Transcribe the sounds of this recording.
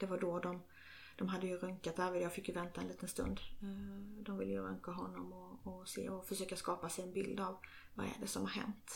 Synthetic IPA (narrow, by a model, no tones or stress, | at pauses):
d̪̥ɛvaɖɔɖɔm | d̪̥ɔmɦad̪ːəjɵɾœŋkat̪hæːɾvɪd̪jaɡfɪkːjɵvɛnt̪aɛnliːt̪ənst̪ɵ̰nd̪ | d̪ɔmvɪlːəjəɾœŋkaɦɔnːɔmɔːsḛːɔfœʂøːkaskɑːpasɛjɛnbɪld̪av | va̰ɾɛ̰ɖɛsɔmhaɾɦɛ̰nt̪